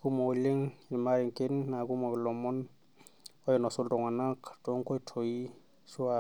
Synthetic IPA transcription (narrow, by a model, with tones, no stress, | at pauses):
ku˦mo˨li˦ŋi˨ma˦ɾi˨ŋke˦nːa˨ku˦ma˨klɔ˨mɔ˦n | ɔ˦jɔ˨nɔ˨so˦ldɔ˨ŋa˨na˦kd̥ɔ˦ŋko˦i˦tʰo˨ji˦ | su˦a